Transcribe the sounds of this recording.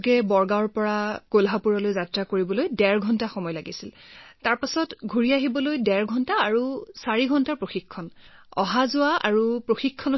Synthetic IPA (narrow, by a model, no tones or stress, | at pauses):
ɡɛbɔɹɡaɔɹpɔɹakolɦapuɹɔlojzatɹakoɹibɔlojdɛɹɡʱɔntaxɔmɔjlaɡisiltaɹpasɔtɡʱuɹiaɦibɔlojdɛɹɡʱɔntaːɹusaɹiɡʱɔntaɹpɹoxikʰːɔnɔ̰ɦazʊaʔa̰ɹupɹoxikʰːɔn